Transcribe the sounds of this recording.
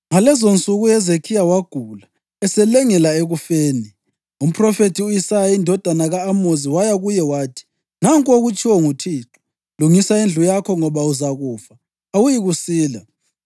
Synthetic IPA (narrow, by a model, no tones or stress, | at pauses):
ŋalɛzont͡sʼuɣujɛzekʰijawaɡ̥ʱula | ɛsɛlɛŋɛlaeɣufeːni | um̩pʰʼrɔfetʰiuisajaindʱɔd̥ʱanaɣaːmoziwajaɣujɛwaːtʰi̥ | naŋkʼoɣut͡ʃʼʰiwɔŋutʰiːǁɔ̥ | luŋisaind͡ɮʱujakʰɔŋɔβauzaɣuːfaː | wujiɣusiːla̰